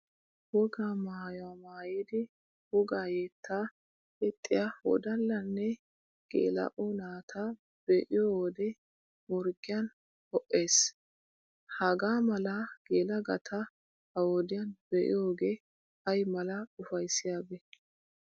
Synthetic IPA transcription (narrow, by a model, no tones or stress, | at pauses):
wɔɡaːmaːjwamaːjiːd̪ɪ | wʊɡaːjeːt̪ːaː | ɛt̪ʼːɪjahɔ̰d̪ɐlːɐnːɛ | ɡ̥ḛːlɐ̰ʔɔnaːt̪ʰa | b̥eːʔɪjowɔd̪ɛ | mɔɾɡɪjɐn | hɔʔːe̞ːs | hɐɡaːmɐlɐɡ̥eːlɐɡɐt̪ʰɐ | ɐwɔd̪ɪjɐnbɛʔɪ̰joːɡe̞ː | ɐjmɐlɐʊfɐjsɪjaːbɛ